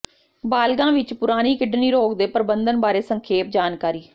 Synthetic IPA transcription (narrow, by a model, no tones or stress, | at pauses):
baːlɡãːʋɪt͡ʃpʊɾaːniːkɪɖniːɾoːkd̪eːpɾəbənd̪ənbaːɾeːsəŋkʰeːp̚d͡ʒaːnkaːɾiː